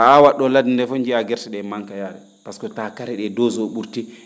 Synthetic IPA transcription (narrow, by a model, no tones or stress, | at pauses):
aawaɗːɔladindɛfoɲd͡ʒiaɡɛɾsɛɗɛmaŋkajaɾɛ̰ | paskɔtakaɾɛɗɛdɔzɔɓuɾti